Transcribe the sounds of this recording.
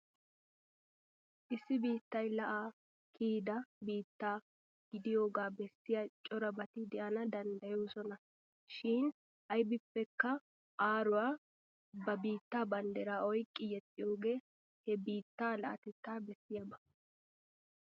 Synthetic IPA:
ʔɪsːɪbiːt̪ːɐjlɐʔaː | kʰiːd̪ɐbiːt̪ːaː | ɡ̥ɪd̪ɪjo̞ːɡaːbɛsːɪjɐt͡ʃʼɔɾɐbɐt̪ɪd̪ɛʔɐnɐd̪ɐnd̪ɐjoːsɔnɐ | ʃɪn | ʔɐjbɪpːɛkːɐ | ʔaːɾʊwaː | bɐbiːt̪ːaːbɐnd̪ɛɾaːɔjkʼːɪjɛt̪ʼːɪjoːɡe̞ː | hɛbiːt̪ːaːlɐʔɐ̰t̪ɛt̪ːaːbɛsːɪjɐbɐ̥

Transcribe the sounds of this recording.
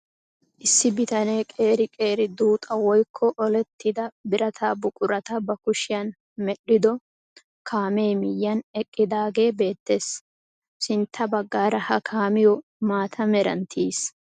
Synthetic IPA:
ʔɪsːɪbɪt̪ɐne̞ːkʼe̞ːɾɪkʼe̞ːɾɪd̪uːt̪ʼɐwɔjkʰːɔʔɔlɛt̪ʰːɪd̪ɐbɪɾʔɐt̪ʰaːbʊkʼʊɾɐt̪ɐbɐkʊʃɪjɐn | mɛɗɪd̪ɔ | kʰaːmejmɪjːɐnɛkʼːɪd̪aːɡe̞ːbe̞ːt̪ːe̞ːs | sɪnt̪ʰːɐbɐɡːaːɾɐhɐkʰaːmɪjɔmaːt̪ʰɐmɛɾɐ̰nt̪ʰiːs

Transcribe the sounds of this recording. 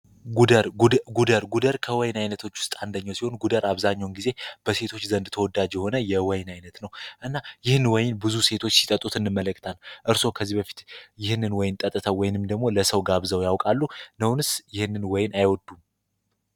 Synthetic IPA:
ɡud̪əɾɡud̪əɾɡud̪əɾkʰəwɔjnajnət̪ʰo̞t͡ʃːwʊ̥st̪ʼand̪əɲːawsiho̞nɡud̪əɾʔaβzaɲːawnɡize̞b̥əse̞t̪ʰo̞t͡ʃːzənd̪t̪ʰəwɔd̪ad͡ʒjɛho̞nəjɛwɔjnajnət̪nəwʔɨnːajɪhɨnwɔjɪnbɨzuse̞t̪ʰo̞t͡ʃːsi̥t̪ʼət̪ʼut̪ʰɨnːɨmːələkːɨt̪ʰalʔɨɾso̞kʰəzːibəfi̥t̪jɪhɨnːɨnwɔjɪnt̪ʼət̪ʼɨt̪ʰəwɔjɪnɨmd̪əɡmo̞ləsəwɡaβzəwjawkʼalːunəwnɨsjɪhɨnːɨnwɔjɪnajwɔd̪um

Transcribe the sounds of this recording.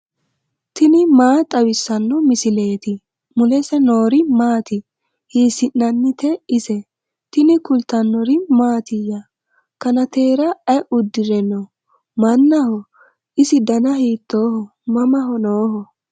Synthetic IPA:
t̪ɪnɪmaːt̪ʼɐwɪsːɐnːɔmɪsɪle̞ːt̪ɪ | mʊlɛsɛno̞ːɾɪmaːt̪ɪ | hiːsɪnːɐnːɪt̪ɛɪsɛ | t̪ɪnɪkʊlt̪ːɐnːɔɾɪmaːt̪ɪjɐ | kɐnɐt̪e̞ːɾɐɐʊd̪ːɪɾɛnɔ | mɐnːɐhɔ | ɪsɪd̪ɐnɐhiːt̪ːoːhɔ | mɐmɐɦɔnoːhɔ

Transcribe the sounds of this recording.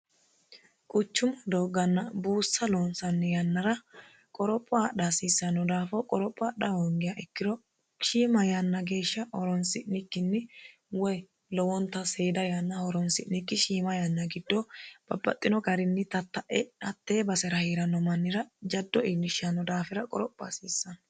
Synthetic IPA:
kʼʊt͡ʃːʊmɐd̪oːɡɐnːɐbuːsːɐloːnsɐnːɪjɐnːɐɾɐ | kʼɔɾɔpʼːɔaɗasisːɐnɔd̪aːfɔkʼɔɾɔpʼːɔaɗɐhɔŋɡɪjɐʔɛkːɪdɔ | ʃiːmɐjɐnːɐɡe̞ːʃːɐʔɔɾɔnsɪʔnɪkːɪnːɪ | wɔj | lɔwɔnt̪ːɐseːd̪ɐjɐnːɐhɔɾɔnsɪʔnɪkːɪʃiːmɐjɐnːɐɡɪd̪ːɔb̥ɐbːɐ̰t̪ʼːɪnɔɡɐɾɪnːɪt̪ɐt̪ːɐʔɛᶑɐt̪ːe̞ːbɐsɛɾɐhiːɾɐnːɔmɐnːɪɾɐd͡ʒɐd̪ːɔɪnːɪʃɐnːɔd̪aːfɪɾɐkʼɔɾɔpʼːa̰siːsːɐn

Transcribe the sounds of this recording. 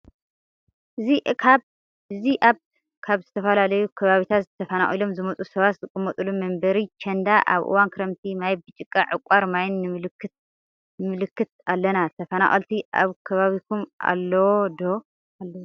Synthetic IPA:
ʔɨziʔkʰaβ | ɨziʔaβ | kʰaβzɨt̪ʰɐfɐlalɐjukʰɐβaβit̪ʰat̪zɨt̪ʰɐfɐna̰χʼilo̞mzɨmɐt͡sʼusɐβat̪zɨkʼɨmːɐt̪ʼulumɐmbɐɾit͡ʃʰɐnd̪aʔa̰βʔɨ̰wankʰɨɾɐmt̪ʰimajbɨt͡ʃʼɨkʼːaʕɨkʼaɾmajnːɨmɨlɨkʰːɨt̪̚ | mɨlɨkːɨt̪̚alːɐnat̪ʰɐfɐna̰χʼɐ̰lt̪ʰiʔa̰βkʰɐβaβikʰumʔa̰lːɐwod̪o | alːɐw

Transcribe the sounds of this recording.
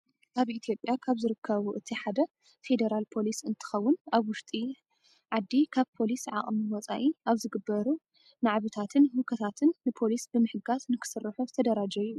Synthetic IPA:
ʔaβʔit̪ʰjo̞pʼjakʰaβzɨɾɨkʰːɐβuʔɨt̪ʰiħad̪ɐ | fe̞d̪eɾalpʰo̞lisɨnt̪ʰɨ̥xɐwːʊnaβwʊʃt̪ʼi | ʕad̪ːikʰaβpʰo̞lisʕa̰χʼmiwɔt͡sʼa̰ʔiʔaβzɨɡɨbːɐɾu | naʕβɨt̪ʰat̪ʰɨnhukʰɐt̪ʰat̪ʰɨnːɨpʰo̞lisbɨmɨħɨɡaznɨkʰɨ̥sɨrːɨħuzɨt̪ʰɐd̪ɐɾad͡ʒɐji

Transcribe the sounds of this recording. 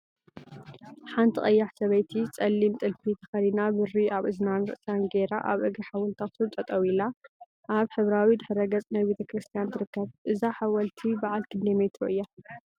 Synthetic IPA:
ħant̪ʰiχʼɐjːaħsɐβɐjt̪ʰit͡sʼɐlːimt̪ʼɨlfit̪ʰɐ̥xɐlinabɨɾiaβʔɨznanɾɨ̰ʔsanɡeɾaʔa̰βʔɨɡiħawɔlt̪ʰasʰɨnt̪ʼɐt̪ʼɐwila | ʔaβħɨβɾawid̪ɨħɾɐɡɐt͡sʼnajbe̞t̪ʰɐkɾɨst̪ʰijant̪ʰɨɾɨkːɐβʔɨzaħawɐlt̪ʰibaʕalkʰɨnd̪ɐmɐjt̪ʰoʔɨjːa

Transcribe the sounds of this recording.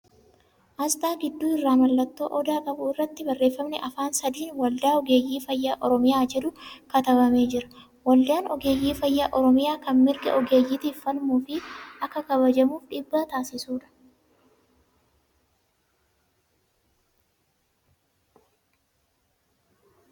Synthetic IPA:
ʔɐsd̪aːŋɡɪd̪ːuːɪrːaːmɐlːɐt̪ːo̞ːʔɔd̪aːkʼɐbʊɪrːɐt̪ːɪbɐrːeːfːɐmnɛʔɐfaːnsɐd̪iːnwɐld̪aːɔɡe̞ːjːiːfɐjːaːʔɔɾɔmɪjaːd͡ʒɛd̪ʊkɐt̪ɐbɐme̞ːd͡ʒɪɾɐ̥ | wɐld̪ɪaːnɔɡe̞ːjːiːfɐjːaːʔɔɾɔmɪjaːkɐnmɪɾɡɐ̰ʔɔɡe̞ːjiːt̪iːfːɐlmuːfɪɐkːɐkɐβɐd͡ʒɐmuːfᶑɪbːat̪aːsɪsuːᶑɐ̥

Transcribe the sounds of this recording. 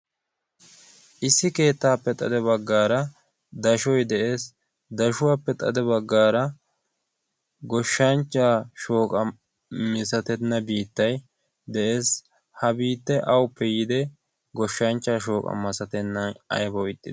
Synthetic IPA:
ʔɪsːɪke̞ːt̪ːaːpːɛt̪ʼɐ̰d̪ɛβɐɡːaːɾɐ | d̪ɐʃɔjd̪ɛʔe̞ːs | d̪ɐʃʊwaːpːɛt̪ʼɐd̪ɛbɐɡːaːɾɐ | ɡɔʃːɐnt͡ʃːaːʃo̞ːkʼɐ | mɪsɐt̪ɛnːɐbiːt̪ːɐj | d̪ɛʔe̞ːs | hɐbiːt̪ːɛʔɐwʊpːɛjɪd̪ɛ | ɡɔʃːɐnt͡ʃːaːʃ̬o̞ːkʼɐ̰mɐsɐt̪ɛnːɐnɐ̰jbɔwɪt̪ʼːɪd̪

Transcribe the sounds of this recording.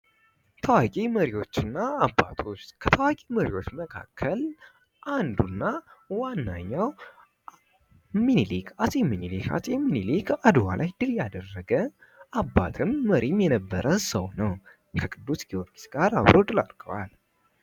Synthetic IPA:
t̪ʰəwakʼiməɾiwo̞t͡ʃːɨnːaːbːa̰t̪ʰot͡ʃːkʰət̪ʰəwakʼiməɾiwo̞t͡ʃːməkʰa̰kʰːəl | ʔand̪unːawanːa̰ɲːaw | minilikʰat̪ʼeminilikʰa̰t̪ʼeminilikʰad̪wa̰lʔajd̪ɨljad̪ərːəɡə | ʔabːat̪ʰɨmːəɾʔimjɛnəbːəɾʔəsəwnəw | kʰəkʼɨd̪ːusɡioɾɡisɡ̥aɾa̰βɾʔod̪ɨla̰ɾɡəwal

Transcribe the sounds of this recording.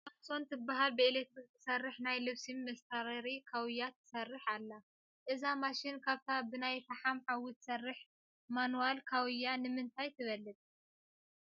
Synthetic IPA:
afso̞nt̪ʰɨbːaɦalbɨelek̚t̪ɾit̪ʰɨ̥sɐrːɨħnajlɨβsimːɐst̪ʰaɾɐɾikʰawɨjːat̪ʰɨ̥sɐrːɨħalːa | ʔɨzamaʃɪnkʰaβt̪ʰabɨnajfaħamʕawɨt̪sɐrːɨħ | manualkʰawɨjanɨmɨnt̪ʰajt̪ʰɨβɐlːɨt̪ʼ

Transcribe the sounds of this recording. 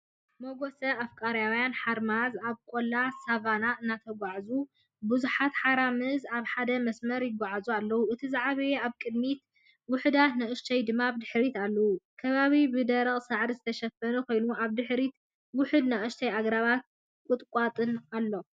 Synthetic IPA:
moɡo̞sɐafkʼaɾjawjanħaɾmazaβkʼolːasavanaɨnːat̪ʰɐɡʷaʕzu | bɨzuħat̪ħaɾamɨzaβħad̪ɐmɐsmɐɾjɪɡʷaʕazualːɐwuʔɨt̪ʰizaʕaβɐjeaβkʼɨd̪mit̪ | wʊħɨd̪at̪nɐʔɨʃt̪ʰɐjd̪ɨmːabd̪ɨħɾit̪alːɐwukʰɐβaβibɨd̪ɐɾɐχʼsaʕɾizɨt̪ʰɐʃɐfɐnukʰo̞jnuʔaβd̪ɨħɾit̪ | wʊħɨd̪nɐʔʼɨʃt̪ʰɐjaɡɾaβat̪̚ | kʼʊt̪ʼkʷʼat̪ʼɨnalːo

